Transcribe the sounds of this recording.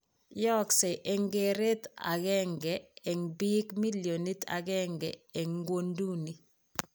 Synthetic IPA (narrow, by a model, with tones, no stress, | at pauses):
jɔ˦ksɛ˨ʔɛ˨ŋɡe˦˨ɾe˦ta̰˨ɣɛ˦ŋɡɛ˨ɛ˨ŋbi˦kmi˦ljo˨ni˦ta̰˨ɡɛ˦ŋɡɛ˨e˨ŋɡwo˦ndu˦ni˨